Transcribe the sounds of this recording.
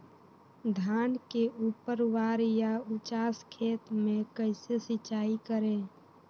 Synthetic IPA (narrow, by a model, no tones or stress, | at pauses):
d̪ʱaːnkeʔuːpəɾwaːɾjaʊt͡ʃaːskʰeːt̪mẽkəɪsesɪt͡ʃaːikəɾẽː